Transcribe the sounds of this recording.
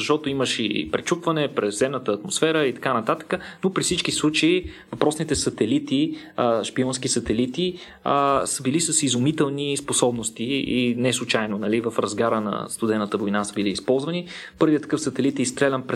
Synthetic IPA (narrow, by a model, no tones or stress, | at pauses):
zɐʃt̪ɔt̪oiməʃipɾɛt͡ʃupvɐnɛpɾɛzzɛmnət̪əːt̪mosfɛɾəit̪ɐ̥kanɐt̪at̪ə̥kənopɾifsit͡ʃkislˠut͡ʃəivɐpɾɔsnit̪ɛsɐt̪ɛlit̪i | əʃpiɔnskisət̪ɛlit̪i | əsəbilisəsizʊmit̪ɛlˠnisposɔbnost̪iinɛslˠut͡ʃajnonɐlivəfɾɐzɡaɾənɐ̰st̪ʊd̪ɛnət̪əvojnasəbiliːspɔlˠzvənipɤɾviət̪ə̥kɤfsɐt̪ɛlit̪ist̪ɾɛlʲɛmpɾɛ